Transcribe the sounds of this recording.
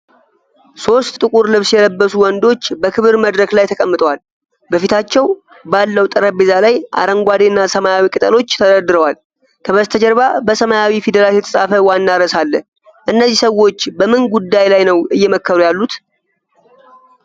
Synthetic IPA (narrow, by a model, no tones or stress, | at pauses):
so̞st̪ːʼɨkʼuɾlɨβsjɛləbːəsuwɔnd̪o̞t͡ʃːbəkʰɨβɨɾməd̪ɾəklajt̪ʰəkʼəmːɨt̪ʼəwal | bəfit̪ʰat͡ʃːɛw | balːəwt̪ʼɨɾəbezalajʔa̰ɾəŋɡʷad̪enːasəmajawikʼɨt̪ʼəlo̞t͡ʃːt̪ʰəd̪əd̪ɨɾəwal | kʰəβəzt̪ʰəd͡ʒɛɾbabəsəmajawifid̪əlajɛt̪ʰəsʼafəwanːaɾəsalːə | ʔɨnːəzːisəwːo̞t͡ʃːbəmɨnɡud̪ːajlajnəwɨjːɛməkːəβɾujalːut̪